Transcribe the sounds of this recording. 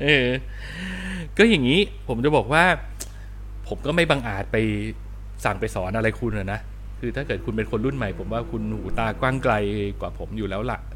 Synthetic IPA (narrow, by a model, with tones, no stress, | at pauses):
ʔɤː˧ | kɔː˥˩ja˨˩ŋːiː˦˥ | pʰo˩˦mt͡ɕa˨˩bɔː˨˩k̚waː˥˩ | pʰo˩˦mkɔː˥˩ma˥˩jbaː˧ŋʔaː˨˩t̪̚pa˧j | sa˨˩ŋpa˧jsɔː˩˦nʔa˧ɾa˧jkʰu˧nʔa˨˩na˦˥ʔ | kʰɯː˧t̪ʰaː˥˩kɤː˨˩t̪̚kʰu˧np̬e˧nkʰo˧nɾu˥˩nma˦˩jpʰo˩˦mwaː˥˩kʰu˧nhuː˩˦t̪aː˧kwaː˥˩ŋkla˧jkwaː˨˩pʰo˩˦mjuː˨˩lɛː˦˥wla˨˩ʔ